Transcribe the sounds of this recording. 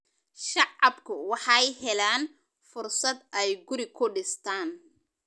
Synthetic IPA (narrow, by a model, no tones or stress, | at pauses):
ʃɑʕɑbkʰʊwɑħɑjhɛlaːn | fʊrsɐd̪ɛjɡʊɾɪkʰʊɖɪst̪ʰaːn